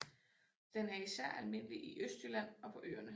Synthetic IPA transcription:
d̥enɦæisæɐ̰ælme̝n̰əliʔiʔøsd̥ylæn̰ɒ̽pʰɒ̽ʔø̰ːɐnə

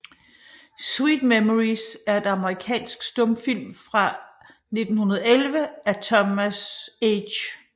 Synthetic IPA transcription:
swiːd̥memoʁisæɐe̝d̥ɑ̈məʁikʰɛ̰ːnsɡ̥sd̥ɔ̽mfil̰mfʁɑ̈ | ne̝d̥n̩hunɐð̞ˠelʋəæt͡sʰɒmæsed

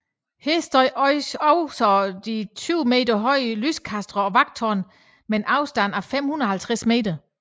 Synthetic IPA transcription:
heɐsd̥ɒɪʔɒɪɒʊsɒd̥it͡sʰyʊme̝̰ːd̥ɐɦɒ̽ɪ̰lyskʰæsd̥ʁɐɒ̽ʋɑ̈ɡ̥̚t͡sʰɒːn | menʔɑ̈ʊsd̥ænæɐfem̰hunɐɒhælt͡sʰʁasme̝̰ːd̥ɐ

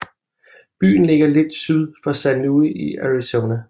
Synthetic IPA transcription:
b̥y̰ːn̩le̝ɡ̥ɐled̥syð̞ˠfɒ̽sænnəuð̰ˠiʔæɹisonæ

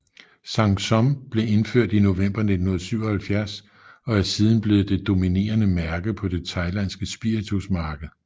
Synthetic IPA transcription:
sɑ̈ŋ̥sɒ̽mb̥le̝e̝nføɐ̰d̥ino̝ʋem̰b̥ɐne̝dnhunˠsyʊ̰ɒ̽hælfjæɐs | ɒ̽æɐsiːð̞ˠn̩b̥le̝ːð̩ˠd̥e̝d̥o̝mine̝̰ːɐnəmæɐɡ̥əð̩ˠpʰɒ̽d̥e̝t͡sʰɑ̈ɪlænsɡ̥əsb̥iɐit͡sʰusmɑ̈ːɡ̥əð̩ˠ

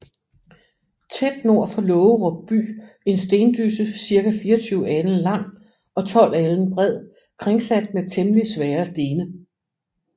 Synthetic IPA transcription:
t͡sʰed̥no̝ɐ̰fɒ̽lɔ̽ːʊəʁɒ̽b̥̚b̥y̰ː | e̝nsd̥e̝ːnd̥ysəsiɐkæfiːɐɒt͡sʰyːʊæd̥n̩lɑ̈ŋ̰ | ɒ̽t͡sʰɒ̽l̰æln̩b̥ʁɛð̰ˠ | kʰʁeŋsæd̥̚met͡sʰemlisʋɛːɐsd̥e̝ːnə

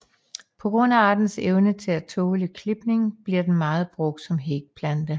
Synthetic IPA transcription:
pʰɒ̽ɡ̥ʁɔ̽n̰æɑ̈d̥n̩seʊnət͡sʰe̝læt͡sʰɔːləkʰle̝b̥ne̝ŋb̥liɐd̥enmɑ̈ːð̞̩ˠb̥ʁɔ̽ɡ̥̚d̥sɒ̽mɦeɡ̥̚pʰlænd̥ə

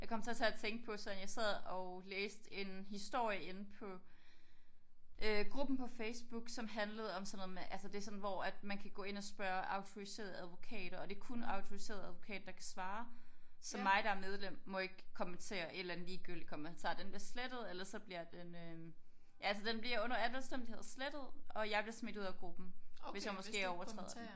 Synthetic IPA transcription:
jɑ̈ɪkʰɒ̽m̰t͡sʰe̝ɐt͡sʰe̝æt͡sʰeŋɡ̥̚pʰɒ̽selænjɑ̈ɪsæð̞̰ˠɒ̽leːsd̥e̝nɦisd̥o̝ɐ̰jəe̝npʰɒ̽ | ʔøɡ̥ʁub̥n̩pʰɒ̽feɪsb̥uɡ̥sɒ̽mɦænləð̞̩ˠɒ̽msɒ̽noð̩ˠmeʔælsəd̥e̝æsɒ̽n̩ʋɒæd̥mænkʰæɡ̥ɔ̰̽ːe̝nɒ̽sb̥ɶːɐʔɑ̈ʊt͡sʰo̝ise̝̰ːɐðˠæðˠʋo̝kʰɛ̰ːɾ̥ɐɒ̽d̥e̝kʰunɑ̈ʊt͡sʰo̝ʁise̝̰ɐ̰ðˠæðˠʋo̝kʰɛ̰ːd̥ːɑ̈kʰæsʋɑ̈ːsɒ̽mːɑ̈ɪɾ̥ɑ̈æɐmeð̞ˠlem̰ːɒ̽e̝ɡ̥kʰɒ̽ment͡sʰe̝̰ːɐʔe̝dlæn̩liːɡ̥yl̰d̥ikʰɒ̽ment͡sʰɑ̰̈ːd̥enb̥liɐsled̥ð̞̩ˠelɐsɒ̽b̥liɐd̥enø | jælsəd̥enb̥liɐɔ̽n̰ɐælʋælsd̥em̰d̥he̝ð̰ˠsled̥ð̞̩ˠʔɒ̽jɑ̈ɪb̥liɐsme̝d̥uð̰ˠɐɡ̥ʁub̥n̩ʋesjɑɪmɔ̽sɡ̥e̝̰ːɐɒʊɐt͡sʰʁɛ̰ːð̥ˠ

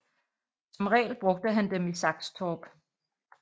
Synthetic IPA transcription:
sɒ̽mʁɛ̰ːlb̥ʁɔ̽ɡ̥̚d̥əɦænd̥emisɑ̈ɡ̥st͡sʰɒːb̥

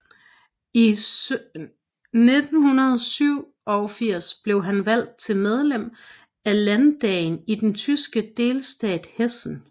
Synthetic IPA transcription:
i | ne̝d̥n̩hunɐð̞ˠsyʊ̰ | ɒfiɐ̰sb̥le̝ʊɦænʋæl̰d̥̚t͡sʰe̝lmeð̞ˠlem̰ | ælænd̥ɛ̰ːnid̥ent͡sʰysɡ̥əd̥e̝ːlsd̥ɛ̰ːd̥hesn̩

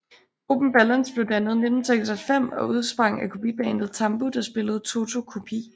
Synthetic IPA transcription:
o̝b̥m̩b̥ælənsb̥leʊd̥ænəð̞̩ˠned̥m̩seɡ̥sælfem̰ɒ̽uð̞ˠsb̥ʁɑ̈ŋ̰ækʰo̝pḭb̥eend̥ð̩ˠt͡sʰɑ̈mb̥ud̥ɑ̈sb̥e̝ləð̞̩ˠt͡sʰo̝t͡sʰo̝kʰo̝pʰḭ

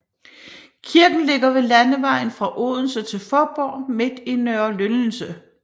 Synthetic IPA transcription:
kʰiɐɡ̥n̩le̝ɡ̥ɐʋe̝lænəʋɑ̈ɪ̰n̩fʁɑ̈ʔo̰ːðˠn̩sət͡sʰe̝lfɒːb̥ɒ̰ːme̝d̥inœɐlønn̩sə

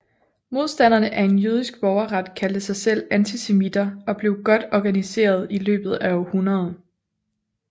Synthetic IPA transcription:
mo̝ð̞ˠsd̥æn̰ɐnəʔæɐe̝njyð̞ˠisɡ̥̚b̥ɒʊɐʁɑd̥kʰæld̥əsɑ̈ɪsel̰ænt͡sʰise̝mid̥ɐɒ̽b̥le̝ʊɡ̥ɒ̽d̥ɒɡ̥ænise̝̰ːɐð̞ˠilø̰ːb̥ð̞̩ˠæɒhunɐð̞ˠ

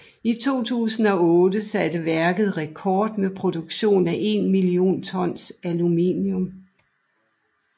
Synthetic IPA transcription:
it͡sʰo̝̰ːt͡sʰṵːsn̩ɒ̽ɔ̽ːd̥əsæd̥əʋæɐɡ̥ð̞̩ˠʁekʰɒːd̥mepʰʁo̝d̥uɡ̥ɕo̝̰ːnæʔe̝nmilio̝̰ːnt͡sʰɒ̽n̰sæluminjɔm

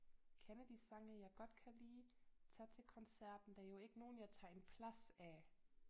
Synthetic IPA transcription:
kʰænəd̥isɑ̈ŋɐjɑ̈ɪɡ̥ɒ̽d̥kʰæliːt͡sʰɛt͡sʰe̝lkʰɒ̽nsæɐ̰d̥n̩d̥æjo̝e̝ɡ̥əno̝ːn̩jæt͡sʰɑ̈ːe̝npʰlæsæ

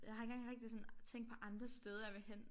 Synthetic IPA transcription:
jɑ̈ɦɑe̝ŋɡ̥ɑ̈ŋʁɛɡ̥̚d̥isɔ̽nt͡sʰeŋ̰ɡ̥̚pʰɒ̽ʔɑ̈nd̥ʁɐsd̥eːð̞ˠɐjɑʋehen̰

